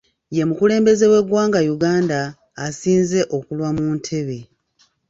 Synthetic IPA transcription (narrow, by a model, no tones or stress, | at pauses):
je̞mukule̞ːmbe̞ze̞we̞ɡwaːŋɡajuɡaːndaː | siːnze̞ʔo̞kulwamuːntʰe̞βe̞